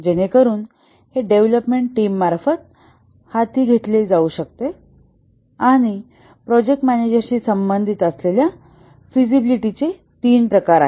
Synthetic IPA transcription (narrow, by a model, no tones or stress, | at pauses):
d͡ʑeñekəɾuːn | heɖeʋləpmeɳʈʈiːmːaɾfət̪̚ | hat̪iːɡʱet̪led͡zauɕək̚t̪e | aɽ̃i | pɾɔd͡ʑek̚ʈmæned͡ʑəɾɕiːsəmbənd̪ʱit̪əslelja | fizibiliʈit͡se | t̪iːnpɾəkaɾa̰ɦe